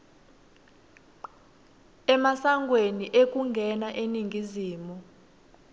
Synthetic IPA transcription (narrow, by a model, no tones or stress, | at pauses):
ɛmasaŋɡʱweniʔek̬ʼuŋɡʱɛnaʔeniŋɡʱiziːmu